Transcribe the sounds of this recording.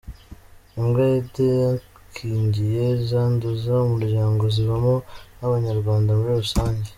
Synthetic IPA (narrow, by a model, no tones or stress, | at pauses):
imɡajedeja | kʰiːɲɟije̞zaːnduzaomuɾɟaːŋɡo̞ziβamonaβaɲaɾɡwaːndamuɾiɾusaːɲɟe